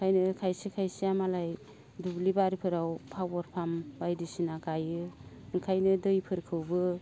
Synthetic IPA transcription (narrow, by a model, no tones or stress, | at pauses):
kʰajnɯkʰajsikʰajsiamalaj | dublibaɾipʰɯɾawpʰawɔɾpʰambajdisinaɡajɯ | ɯŋkʰajnɯdɯjpʰɯɾkʰɯwbɯ